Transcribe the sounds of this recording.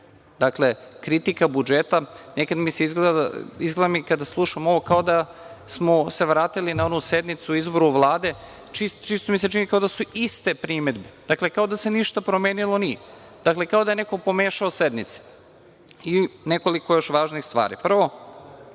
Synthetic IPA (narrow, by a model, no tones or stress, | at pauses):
d̪akle̞kɾit̪ikabud͡ʒet̪anekad̪miseizɡleizɡled̪amikad̪aslˠuʃamo̞ʋo̞kao̞d̪a | smoseʋɾaːt̪ilinaonused̪nit̪suuizbo̞ɾuʋlˠaːd̪e̞ | t͡ʃist͡ʃist̪omise̞t͡ʃinikao̞d̪asuist̪e̞pɾime̞d̪bed̪̥akle̞kaod̪ase̞niʃt̪apɾomeːnilˠo̞nie | d̪̥akle̞kaod̪ajeneko̞po̞meːʃaosed̪nit̪se̥ | ine̞ko̞liko̞jo̞ʃʋaːʒnixst̪ʋa̰ːɾḭpr̩ʋo̞